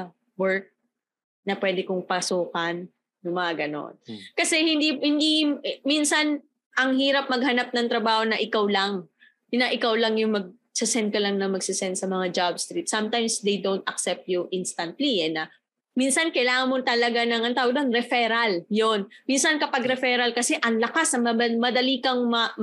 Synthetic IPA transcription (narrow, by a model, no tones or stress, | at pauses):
wɛɹk̚ | nɐpwɛːd̪ɪkoŋpɐsuːkɐnː | ʊŋmɐŋaɡɐno̰nkɐsɛhɪnd̪ihɪnd̪iminsɐn | ʔɐŋhiːɾɐp̚mɐɡ̚hɐnap̚nɐŋt̪ɾɐbaːho̞nɐʔɪkawlɐŋ | nɐʔɪkawlɐŋjʊŋmɐɡ̚ | sɪsɛnt̪̚kɐlɐŋnɐmɐɡsɪsɛnt̪sɐmɐŋad͡ʒabst̪ɾit̪sɐmt̪ajmsd̪ɛjd̪o̞nt̪ʔɐk̚sɛp̚t̪̚juʔinst̪ɐnt̪liɛnɐ | minsɐnkɐjlaːŋɐnmont̪ɐlɐɡanɐŋɐnt̪aːwoɡlɐŋɾɛfɛɾɐljonminsɐnkɐpɐɡɾɛfɛɾɐlkɐsɛʔɐŋlɐkasɐŋmɐbɐmɐd̪ɐlikɐŋmɐ